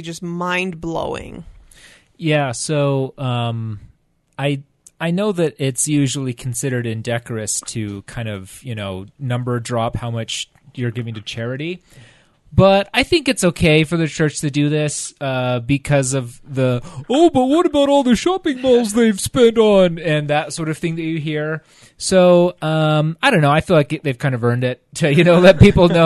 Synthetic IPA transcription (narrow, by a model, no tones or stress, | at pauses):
d͡ʒʌsmãɪ̃nblo̰ʊɪ̰̃ŋ | jæsoʊʌ̃m | aɪ | aɪnoʊðɨɾɪtsjʉʒl̩ˠikʰn̩sɪɾə˞ɾɨ̃ndɛkə˞ɨstʰɨkʰãɪ̃ndʌv̥jɨnoʊnʌ̃mbə˞dɹɑphaʊmʌt͡ʃ | jə˞ɡɪvɪ̃ŋtɨt͡ʃʰɛɹɨɾi | b̥ʌɾaɪθɪ̃ŋkɨtsoʊkʰeɪfə˞ðɨt͡ʃʰɜ˞t͡ʃtʰɨdɨðɪsʌbɨkʰʌzʌvðəoʊbʌt̚wʌɾɨbaʊɾɔlˠðɨʃɑpɪ̃ŋboʊlˠzðeɪv̥spɛ̃ntn̩ɨ̃nðɨtsɔɹɾʌv̥θɪ̃ŋðɨt͡ʃɨɦiɹ | soʊʌ̃maɪɾõʊ̃nːoʊaɪfilaɪkðeɪv̥kʰãɪ̃ndʌvɜ̃˞ndɪtʰɨjɨnoʊlɛt̚pipl̩ˠnoʊ